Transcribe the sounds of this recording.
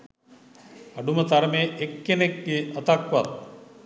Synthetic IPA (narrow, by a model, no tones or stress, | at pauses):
ɐɖumət̪aɾmeːʔekːenek̚ɡeət̪akʋat̪̚